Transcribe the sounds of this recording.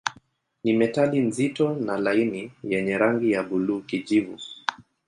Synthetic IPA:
nimɛtalinzitɔnalainijɛɲɛɾaŋɡijaɓuluːkiʄivṵ

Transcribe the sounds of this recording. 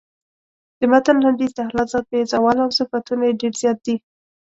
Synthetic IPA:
d̪̥əmat̪anlaɳɖizd̪axlɑt̪zɑd̪̚pəɪzɑwɑlawsəfat̪unajeɖeɾzjɑt̪̚d̪i

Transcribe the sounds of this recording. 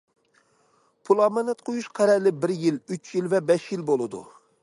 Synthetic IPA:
pʰulˠɑmɑnɛt̪̚qʰojuʃqʰæɾɛlɪbɪɾjilyt͡ʃjilvɛbɛʃjilbolˠɨd̪ṵ

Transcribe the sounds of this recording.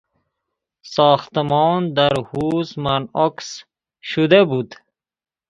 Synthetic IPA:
sɔːxt̪əmɔːnd̪aɾhuzmanɔks | ʃud̪ebud̪

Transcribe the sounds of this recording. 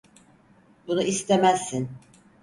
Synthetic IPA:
bunuist̪ʰemæzːin

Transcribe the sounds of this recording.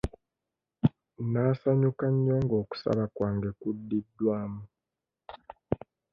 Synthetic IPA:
naːsaɲukaɲːoːŋɡo̞ːku̥sa̰βakwaːŋɡekudːidːwaːmu

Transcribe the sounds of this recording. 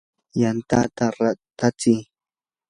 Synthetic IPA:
jant̪a̰ʔt̪aɾat̪at͡si

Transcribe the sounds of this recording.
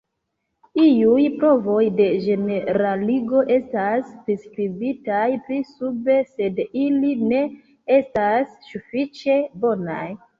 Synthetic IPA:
iujpɾo̞vo̞jde̞ʒe̞neɾaliɡo̞ʔe̞staspɾiskɾibitajpɾisube̞se̞diline̞ | estasːufit͡ʃe̞bo̞na̰j

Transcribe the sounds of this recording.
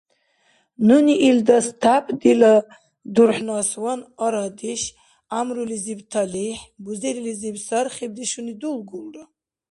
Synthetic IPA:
nuniʔild̪ast̪ʰapʰd̪ila | d̪urħnaswanɔɾad̪iʃ | amrulizibt̪ʰaliħbuzeɾilizibsarχib̚d̪iʃunid̪ulɡulra

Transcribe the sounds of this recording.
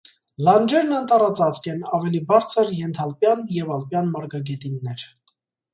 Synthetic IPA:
lɑnd͡ʒɛɾnənt̪ɑrɑt͡sɑt͡skʰɛnɑvɛlibɑɾt͡sʰəɾjɛnt̪ʰɑlpjɑnjɛvɑlpjɑnmɑɾɡɑɡɛt̪inːɛɾ

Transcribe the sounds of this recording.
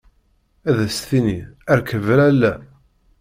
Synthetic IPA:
æðæsθiniæɾkəvɾælːæ

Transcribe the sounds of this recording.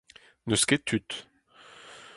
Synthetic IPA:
nəsket̪ʰyt̪

